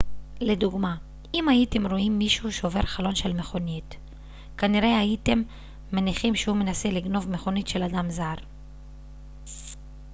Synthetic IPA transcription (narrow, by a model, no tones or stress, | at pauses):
le̞duɡma | imajite̞mʁo̞imːiʃuʃeove̞ʁχalo̞nʃe̞lme̞χo̞nit | kaniʁe̞aite̞mː | aniχimʃehume̞nase̞liɡno̞vme̞χo̞nitʃe̞ladamzaʁ